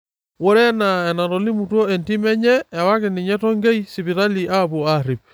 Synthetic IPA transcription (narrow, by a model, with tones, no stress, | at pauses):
wɔ˦ɾɛ˦na˨ɛ˨na˨ɾɔ˨li˦mu˨twɔ˦ɛ˨nti˦mɛ˦ɲɛ˦a˨wa˦ke˨ni˨ɲɛ˦tɔ˦ŋɡɛ˦isi˨βi˨ɾa˦li˨ʔa˦βo˨aɾi˨p̚